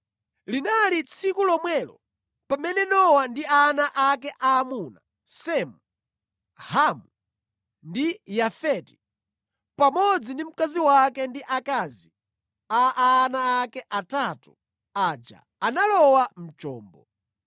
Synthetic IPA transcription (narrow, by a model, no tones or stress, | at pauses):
linalit͡sʰikulɔmwɛlɔ̰ | pamɛnɛnɔwandianaʔakɛʔaːmuna | sɛmu | hamu | ndijafɛti̥ | pamɔd͡zindim̩kaziwakɛndiʔakazi | aʔːnaːkɛʔatatu | ad͡ʒa̰ | analɔwam̩t͡ʃɔ̰ːmbɔ̰